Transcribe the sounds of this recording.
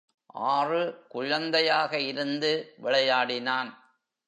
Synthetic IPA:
ʔaːrɯkʊɻɐnd̪ɐjaːɣɐɪɾɯnd̪ɯʋɪɭɐjaːɽɪnaːn

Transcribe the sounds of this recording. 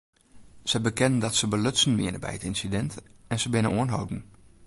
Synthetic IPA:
səbəkɪnən̩dɔtsəbəløtsən̩ʋɪənəbɛ̰jətinsidɛntɛnsəbɪnəʔoənɦo̰wdn̩

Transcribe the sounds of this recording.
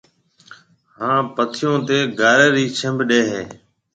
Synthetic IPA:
hãːpət̪ʰɪjõːt̪eːɡaːɾeːɾiːt͡ʃʰəmbɗeːɦeː

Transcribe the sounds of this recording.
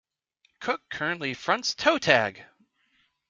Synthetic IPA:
kʰʊkʰɜ˞ɨ̃nʔlifɹʌ̃ntstʰoʊtʰæ̰ɡ̥

